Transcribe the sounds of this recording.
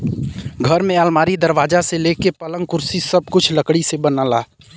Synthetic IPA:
ɡʱəɾmẽalmaːɾid̪əɾʋaːd͡ʒaseleːkepələ̃ŋkʊɾsisəb̚kʊt͡ʃʰləkɽisebənalaː

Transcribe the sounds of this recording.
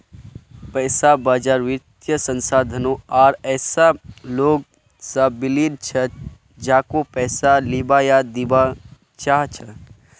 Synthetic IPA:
pəːsabad͡ʒaɾʋit̪jəsənsaːd̪ʱənoaːɾɛːsaloɡ | səbilid̪t͡ʃʰə | d͡ʒaːkopɛːsalibajad̪iba | t͡ʃaɦt͡ʃʰə

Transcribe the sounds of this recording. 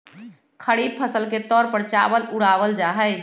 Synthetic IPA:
kʰəɽib̚pʰəsəlket̪ɔɾpəɾt͡ʃabəluɽabəld͡ʒaɦəj

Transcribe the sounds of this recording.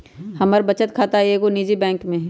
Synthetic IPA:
hɐməɾbɐt͡ʃət̪kʰaːt̪aɦeːɡoniːd͡ʒibɛ̃ːŋkmẽɦɛ

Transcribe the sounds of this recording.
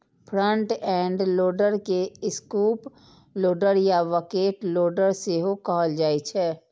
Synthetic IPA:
pʰɾə̃ɳʈɛ̃ːɳɖloːɖəɾkeɪskuːp | loːɖəɾjaʋəkeːʈloːɖəɾseɦokɔɦəld͡ʒaːit͡ʃʰɛː

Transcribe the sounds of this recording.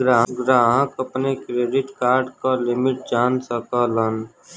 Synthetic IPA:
ɡɾaːɦɡɾaːɦə̃kəpnekɾeːɖɪʈkaːɾɖkalɪmɪʈ̚d͡ʒaːnsəkələn

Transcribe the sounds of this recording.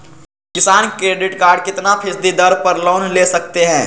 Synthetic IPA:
kɪsaːnkɾeːɖɪʈkaːɾɖkɪt̪napʰɪsd̪id̪ɐɾpɐɾloːnleːsɐk̚t̪eɦɛ̃ː

